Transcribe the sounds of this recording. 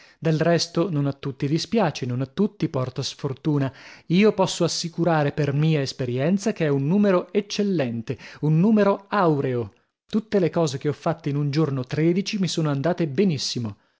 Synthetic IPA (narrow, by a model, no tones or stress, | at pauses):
d̪elrɛst̪ononat̪ːut̪ːid̪ispjaːt͡ʃenonat̪ːut̪ːipɔrt̪oasfort̪uːnaiːopɔsːoasːikuɾaːɾepermiːaespeɾjɛnt̪sak̟eɛunːuːmeɾoet͡ʃːelːɛnt̪eunːuːmeɾoawɾeo | t̪ut̪ːelekɔːzek̟eɔfːat̪ːeinund͡ʒornot̪ɾeːd̪it͡ʃimisoːnoand̪aːt̪ebenisːimo